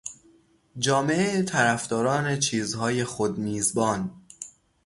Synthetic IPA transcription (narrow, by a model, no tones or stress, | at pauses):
d͡ʒɒːme̞ʔeet̪ʰæɾæfd̪ɒːɾɒːne̞t͡ʃʰiːzhɒːje̞xod̪miːzbɒːn